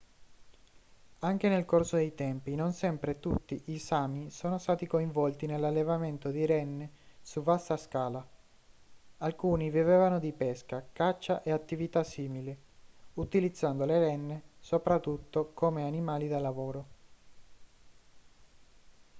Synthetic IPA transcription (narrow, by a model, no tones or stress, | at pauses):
aŋk̟enelkorsod̪ejt̪ɛmpinonsɛmpɾet̪ut̪ːiʔisaːmisoːnost̪aːt̪ikoiɱvɔlt̪inelːalːevament̪od̪iɾɛnːesuvast̪askaːla | alkuːnivivevanod̪ipɛskakat͡ʃːaʔeat̪ːivit̪asiːmiliut̪ilid̪zːand̪oleɾɛnːesopɾat̪ːut̪ːokomeanimaːlid̪alːavoːɾo